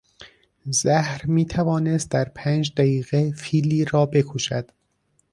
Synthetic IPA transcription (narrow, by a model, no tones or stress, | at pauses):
zæhɾmiːt̪ʰævɒːnest̪̚d̪æɾpʰæːnd͡ʒd̪æjiːɣefiːlːiːɾɒːbe̞kʰoʃæd̪̥